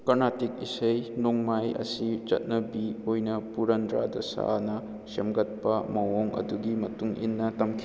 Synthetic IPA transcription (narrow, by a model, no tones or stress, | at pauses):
kɐnatik̚isɐjnoŋmajɐ̰sit͡ʃɐ̰t̚nɐbiojnɐpuɾɐndɾa̰dɐsa̰nɐ | semɡɐt̚pɐmɐwoŋɐ̰duɡimɐtuŋḭnːɐtɐmkʰi